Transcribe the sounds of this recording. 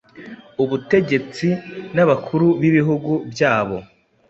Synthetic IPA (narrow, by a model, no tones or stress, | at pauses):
uβute̞ɟe̞t͡sinaβakʰuɾuβiβiɦuɡubjaːβo̞̰